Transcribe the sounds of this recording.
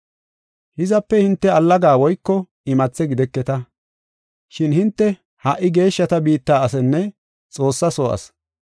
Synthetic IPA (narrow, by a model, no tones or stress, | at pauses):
hɪzɐpːɛhɪnt̪ːɛɐlːɐɡaːwɔjkːɔ | ɪmɐt͡sːɛɡɪd̪ɛkːɛt̪ɐ | ʃɪnhɪnt̪ːɛ | hɐʔːɪɡe̞ːʃːɐt̪ɐbiːt̪ːaːɐsɛnːɛ | t͡sʼo̞ːsːɐso̰ːʔɐ̰s